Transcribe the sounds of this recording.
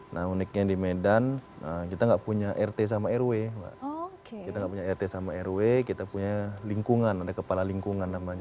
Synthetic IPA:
nʔaunik̚ɲadimedan | əkit̪aŋɡaʔpuɲaʔɛrt̪es̬amaɛrweŋɡa̰ʔkkit̪aŋɡaʔpuɲaɛrt̪esamaɛrwekit̪apuɲaliŋkuŋanadakəpalaliŋkuŋanːamaɲa

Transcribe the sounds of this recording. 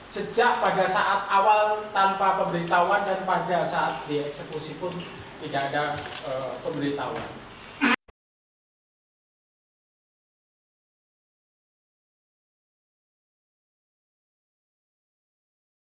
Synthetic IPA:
sə̥d͡ʒaʔpaɡasaʔat̪̚awalt̪anpapəmbəɾit̪auandanpaɡasaat̪̚diɛksəkusipʊnt̪idaːdaəpəmbəɾit̪awa̰n

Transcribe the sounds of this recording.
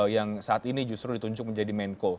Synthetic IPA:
jaŋsaat̪inid͡ʒust̪ɾʊdit̪uɲd͡ʒʊk̚məɲd͡ʒadimɛnko

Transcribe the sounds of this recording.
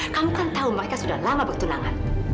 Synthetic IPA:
kamukant̪auməɾekasudahlamabərt̪una̰ŋa̰n

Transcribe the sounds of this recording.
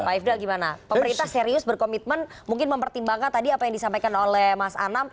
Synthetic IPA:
paifdalɡimanapəməɾint̪ahseɾiʊsbərkomit̪̚mən | muŋkɪnməmpərt̪imbaŋkant̪adiapajaŋdisampajkanolɛhmasa̰nam

